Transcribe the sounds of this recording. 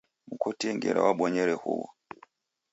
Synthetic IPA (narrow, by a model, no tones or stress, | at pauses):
mukɔtiŋɡɛɾa̰waɓɔɲɛɾɛhuwɔ̰